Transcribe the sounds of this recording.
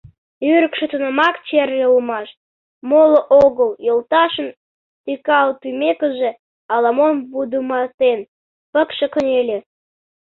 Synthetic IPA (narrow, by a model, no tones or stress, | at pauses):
yɾə̆kʃĕt̪ənəmɑkt͡ɕerɡeumɑʃ | moloʔoɣəljolt̪ɑʃən | t̪ikɑlt̪ymekə̆ʒĕ | ɑlɑmonbud̪umɑt̪en | pə̆kʃekə̆nʲelʲe